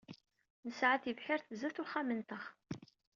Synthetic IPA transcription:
nəsʕaθivħɪɾθzæθʊχæmənt̪əχ

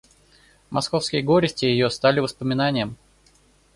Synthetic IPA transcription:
mʔɐsko̞fskʲɪjəɡoɾʲɪsʲtʲɪjɪjost̪alʲɪvəspəmʲɪnanʲɪjəm

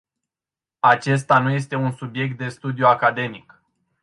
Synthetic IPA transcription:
at͡ʃe̞s̬t̪anuje̞st̪e̞unsubje̞k̚t̪̚d̪e̞st̪ud̪ijuakad̪e̞mik

